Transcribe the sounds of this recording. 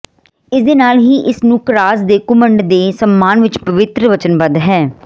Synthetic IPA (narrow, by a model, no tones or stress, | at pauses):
ɪsd̪eːnaːlɦiːʔɪsnũːkɾaːzd̪eːkʊməɳɖd̪eːsəmːaːnʋɪt͡ʃpəʋɪt̪ɾəʋət͡ʃənʋəd̪ɦɛː